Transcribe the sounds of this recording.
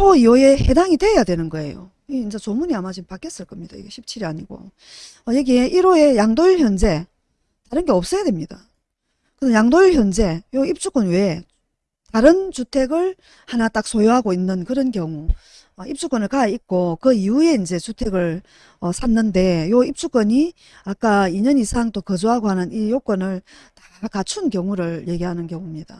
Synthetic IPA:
oiwoe̞hedaŋitwe̞jadwe̞nɯnɡʌe̞̰jo̰ | iind͡ʑet͡ɕomuniamad͡ʑipak͈es͈ɯɭk͈ʌmɲid̥a̰ḭɡeɕʰip̚t͡ɕʰiɾiaɲiɡo̰ | ʌjʌɡieʔiɾoe̞jaŋdoiɭçjʌnd͡ʑe̞ | taɾɯnɡe̞ʌp̚s͈ʌjadwemɲid̥a | kɯnʌnjaŋdoiɭçjʌnd͡ʑe̞joip̚t͡ɕ͈uk͈onwe̞ | taɾɯnt͡ɕutʰe̞ɡɯɭ | hanat͈ak̚sʰojoɦaɡoinːɯnkɯɾʌnkjʌŋu | ʌip̚t͡ɕ͈uk͈onɯɭkaik̚k͈okɯiue̞ind͡ʑe̞t͡ɕutʰe̞ɡɯɭ | ʌsʰanːɯnde̞joip̚t͡ɕ͈uk͈ʌɲi | ak͈aiɲʌnisʰaŋt͈okʌd͡ʑuɦaɡohanɯnijok͈ʌnɯɭ | tḁkat͡ɕʰunkjʌŋuɾɯɭje̞ɡiɦanɯnkjʌŋumɲid̥a

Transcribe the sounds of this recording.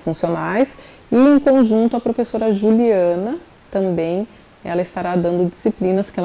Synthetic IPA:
fũsionajs | ɪẽj̃kõʒũnt̪ʊɐpɾofesoɾɐʒuliɐ̃nɐ | t̪ɐ̃mbẽj̃ | ɛ̰lɐist̪aɾad̪ɐ̃nd̪ʊd͡ʒisiplĩnɐskɛ

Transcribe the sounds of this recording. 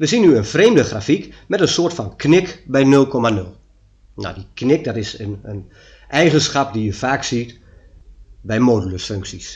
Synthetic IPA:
ʋəsinyənfreːmdəxraːfikmɛtənsoərtfɔnknɪkbɛjnɵlˠkʰɔmanɵlˠ | na̰diknɪk̚dɔtɪsənən | ʔɛjɣənsxapdijəfaːksit | bɛjmoːdyləsføŋksis

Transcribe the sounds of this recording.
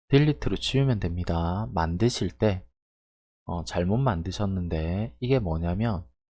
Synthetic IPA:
tiʎːitʰɯɾot͡ɕʰiumjʌndwe̞mɲidamandɯɕʰiɭt͈e̞ | ʌt͡ɕaɭmot̚mandɯɕʰʌnːɯnde̞iɡe̞mwʌɲamjʌn

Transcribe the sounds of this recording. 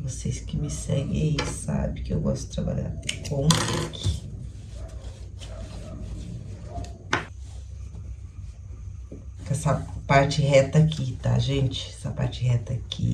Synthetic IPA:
vosejskɪmɪsɛɡḛ̃ãisa̰bẽkɪewɡɔst̪ʊ̥d͡ʒɪt̪ɾaba̰ʎa̰ɾkõpekʰi | kɛsɐpaɾt͡ʃɪhɛt̪ɐkʰit̪a̰ʒẽnt͡ʃɪ̥ɛsɐpaɾt͡ʃɪhɛt̪ɐkʰḭ

